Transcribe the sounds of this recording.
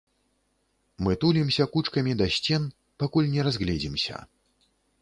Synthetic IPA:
mɨt̪ulʲimsʲɐkut͡ʂkɐmʲid̪asʲt͡sʲɛn | pakulʲnʲɛɾazɣlʲɛd͡zʲimsʲɐ̰

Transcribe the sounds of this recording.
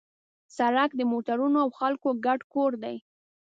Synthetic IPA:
saɾakd̪əmoʈaɾunoawxalkoɡaɖkoɾd̪aj

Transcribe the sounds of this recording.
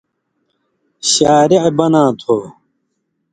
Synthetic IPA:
ɕaːɾiʕbɐnãːt̪ʰoː

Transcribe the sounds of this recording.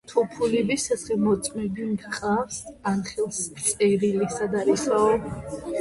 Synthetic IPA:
t̪ʰupʰulibisasχɛmɔt̪sʼmɛbimɡχʼafsanχɛlˠst̪sʼɛɾilisad̪aɾisaɔ

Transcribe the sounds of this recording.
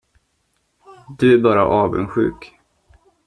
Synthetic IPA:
d̪ɵæɾbɑːɾa̰ʔɑːvə̰nɧʉ̟ːk

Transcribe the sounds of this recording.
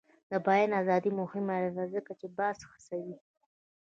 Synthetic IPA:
d̪abɑjanazɑd̪imʊhɪmaladazəkat͡ʃebɑsxə̥sawi

